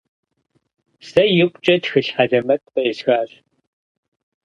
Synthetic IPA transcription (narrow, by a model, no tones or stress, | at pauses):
sɐjɪkʷʼt͡ʃʼɐtxɨɬħaɮɐmɐtʼqɐɪsxaːɕ